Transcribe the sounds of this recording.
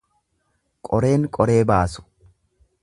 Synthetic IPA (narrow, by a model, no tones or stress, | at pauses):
kʼɔɾe̞ːŋkʼɔɾe̞ːbaːsʊ̥